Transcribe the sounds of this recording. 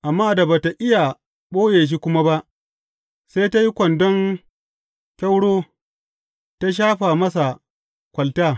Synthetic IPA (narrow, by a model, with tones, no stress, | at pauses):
ʔa˨mːaː˦˨da˨baː˨ta˨ʔɪ˦ja˨ | ɓoː˦jeː˨ʃ̬i˦kʷʊ˦ma˦ba˦ʔ | se˦jta˦ji˦kʷɐ˨ndɔ˦ŋ | kʲa˦wɽoː˦ | ta˦ʃ̬aː˦ɸaː˨mɐ˦sa˨ | kʷɐ˨ltaː˦˨